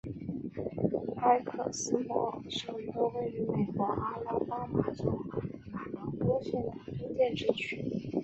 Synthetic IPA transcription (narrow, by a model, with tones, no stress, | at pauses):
a˥˩ɪkʰɤ̰˨˩sɹ̩˥mwɔ̰˧˥ʂo˨˩ʊɥo˧˥ʊwe˥˩ɪy˧˥me˨˩ɪkwɔ˧˥ʔa˥la˥pa˥ma˧˩t͡so˨˧˥ʊ˥na˨˩t̪ɑ˥˩ʊt̪wɔ˥ɕjɛ˥˩nd̪ə˨˩i˥ŋt͡ɕjɛ˥˧nʈ͡ʂɻ̩˥˧t͡ɕʰy˥